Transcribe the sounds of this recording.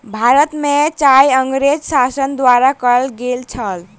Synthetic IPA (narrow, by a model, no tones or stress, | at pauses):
bʱaɾət̪met͡ʃajəŋɡɾed͡ʒsasənd̪waɾakəlɡelt͡ʃʰəl